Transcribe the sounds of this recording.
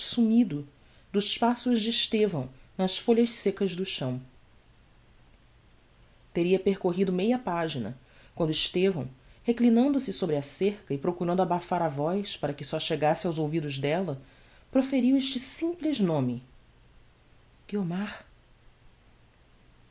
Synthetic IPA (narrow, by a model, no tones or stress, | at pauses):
sumid̪ʊ | d̪ʊzʃpasʊzd͡ʒɪːʃt̪evɐ̃w̃nɐʃfoʎɐʃsekɐzd̪ʊʃɐ̃w̃ | t̪eɾiɐpeɾkoɦid̪ʊmejɐpaʒinɐ̰ | kwɐ̃nd̪ʊɪʃt̪evɐ̃w̃heklinɐ̃nd̪ʊsɪsobɾɪaseɾkɐɪpɾokuɾɐ̃nd̪ʊabafaɾavɔjspaɾɐkɪsɔʃeɡasɪawzowvid̪ʊzd̪ɛlɐ | pɾofeɾiweʃt͡ʃɪsĩplɪʒnõmɪ | ɡ̥iomaɾ